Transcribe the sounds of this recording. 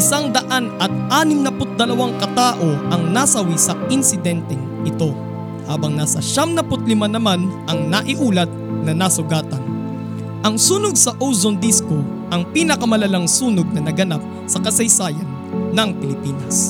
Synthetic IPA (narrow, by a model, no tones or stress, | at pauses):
ʔɪsaŋd̪ɐʔanɐt̪̚ʔaːnɪmnɐpʊt̪̚d̪ɐlɐwaŋkɐt̪aːʔo̞ʔɐŋnasɐwisɐʔɪnsɪd̪ɛnt̪ɛ | ɪt̪o̞ | haːbɐŋnasɐʃamnɐpʊt̪̚lɪmanːɐmanʔɐŋnɐʔɪʔuːlɐt̪̚nɐnasʊɡaːt̪ɐn | ʔɐŋsuːnoɡ̚sɐʔowzond̪isko | ʔɐŋpiːnɐkɐmɐlɐlaŋsuːnoɡ̚nɐnɐɡɐnap̚ | sɐkɐsɐjsaːjɐnː | ɐŋpɪlɪpiːnɐs